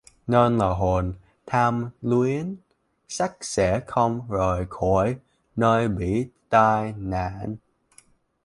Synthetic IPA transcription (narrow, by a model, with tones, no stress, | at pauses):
neː˧nlaː˨˩ɦo˨˩n | t̪ʰaː˧mlwii˨˦ən | sa˦˥k̚sɛ̰˧˥xə˧wŋ͡mzo˨˩jxo˧˩j | nəː˧jɓḭ˧˨t̪aː˧jna̰ː˧˨n